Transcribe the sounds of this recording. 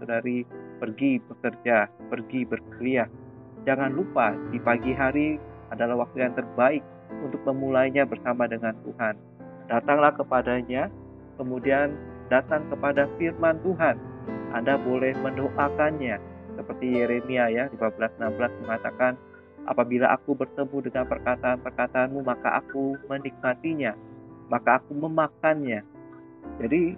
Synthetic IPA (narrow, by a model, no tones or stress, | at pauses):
sədaɾipərɡibəkərd͡ʒapərɡibərkəlia | d͡ʒaŋanlupadipaɡiɦaɾiadalahwak̚t̪ujaŋt̪ərbaɪk̚ | unt̪ʊk̚məmulajɲabərsamadəŋant̪uɦan | dat̪aŋlahkəpadaɲa | kəmudiandat̪aŋkəpadafirmant̪uɦanʔa̰ndabolɛhməndoʔakanɲa | səpərt̪ijeɾemiajalimabəlasənambəlasməŋat̪akan | ʔa̰pabila̰ʔa̰kubərt̪əmudəŋanpərkat̪aːnpərkat̪aːnmumaka̰ʔa̰kumənik̚mat̪iɲamakaːkuməmakanɲa | d͡ʒadi